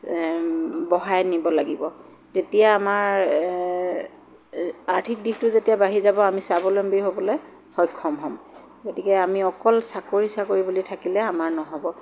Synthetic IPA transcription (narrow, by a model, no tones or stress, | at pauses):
bɔɦajnibɔlaɡibɔ | tetijaːmaɹ | aɹtʰik̚dixtʊzetijabaɦizabɔamisabɔlombojɦobɔloj | xɔjkʰːɔmɦɔm | ɡotikɛamiɔkɔlsakoɹisakoɹibulitʰakilɛamaɹnɔɦɔbɔ